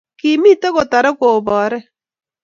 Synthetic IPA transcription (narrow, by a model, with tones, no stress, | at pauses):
ki˨mi˦te˦ko˨ta˨ɾɛ˦koː˨βɔː˨ɾɛ˦